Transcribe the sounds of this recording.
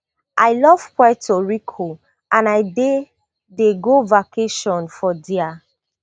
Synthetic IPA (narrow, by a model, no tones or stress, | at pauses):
ʔaɪlɔv̥kwajtoɹikʰo | ʔãnaɪde | deɡovakeʃɔ̃nfɔdia